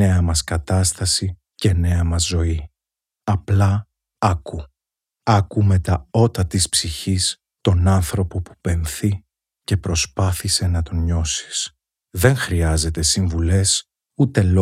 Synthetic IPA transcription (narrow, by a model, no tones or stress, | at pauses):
e̞ɐmɐskɐt̪ɐst̪ɐsi | ce̞ne̞ɐmɐzːo̞i | ɐplɐ | ɐku | ɐkume̞t̪ɐo̞t̪ɐt̪ispsiçis | t̪o̞nɐnθɾo̞po̞pu̥pe̞nθi | ce̞pɾo̞spɐθise̞nɐt̪o̞ɲo̞si̥s | ðe̞ŋxɾiɐze̞t̪e̞siɱvule̞s | ut̪e̞lo